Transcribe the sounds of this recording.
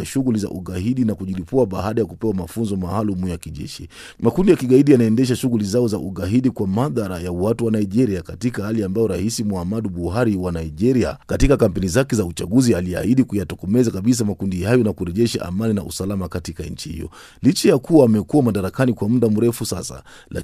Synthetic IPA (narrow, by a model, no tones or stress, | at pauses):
aʃuɣuliza̰ʔuɣahiɗinakuʄilipuaɓahaɗajakupɛwamafunzɔmahalumujakiʄɛ̰ʃḭ | makundijakiɠaiɗijanaɛndɛʃ̬aʃuɣulizaɔzaʔuɠaɦiɗikwamaðaɾajawatuwanaiʄɛɾiakatikahaliambajɔɾahisimuhamaɗuɓuɦaɾiwanaiʄɛɾia̰katikakam̩pɛnizakɛzaut͡ʃaɠuzialia̰hiɗikujatɔkɔmɛzakaɓis̬amakundihajɔnakuɾɛʄɛʃa̰ʔa̰maninaṵsalamakatikaɲ̩t͡ʃihḭjɔ̰ | lit͡ʃajakuwaːmɛkuwamaɗaɾakanikwam̩ɗam̩ɾɛfusa̰sa̰ | la̰